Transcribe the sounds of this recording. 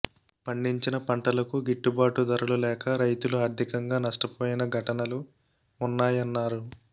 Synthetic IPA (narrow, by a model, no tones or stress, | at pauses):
pɐɳɖiɲt͡ʃinɐpɐɳʈɐlɐkuɡiʈːubaːʈud̪ɐɾɐɭulɛːkɐɾɐjt̪uluaːɾd̪ʱikɐŋɡaːnɐʂʈɐpoːjinɐɡʱɐʈɐnɐlu | unːaːjɐnːaːɾu